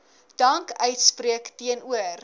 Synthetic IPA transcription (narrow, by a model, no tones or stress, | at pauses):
d̥ɐŋkœɥtspriəktiənuər